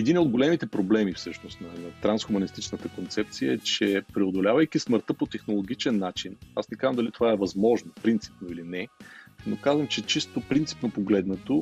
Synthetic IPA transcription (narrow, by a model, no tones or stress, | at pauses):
ɛd̪inod̪ɡolɛmit̪ɛpɾoblɛmifsɤʃnost̪nɐnɐt̪ɾansxʊmɐnist̪it͡ʃnət̪əkont̪sɛp̚t̪sijə̰ɛt͡ʃɛpɾɛod̪olʲavəjk̟isməɾt̪əpot̪ɛxnolˠoɡ̟it͡ʃɛnːat͡ʃinasnɛkazvɐmd̪ɐlit̪ovaɛvɐzmɔʒnopɾint̪si̥pnoilinɛnokazvəmt͡ʃɛt͡ʃist̪opɾint̪si̥pnopoɡlɛd̪nɐt̪o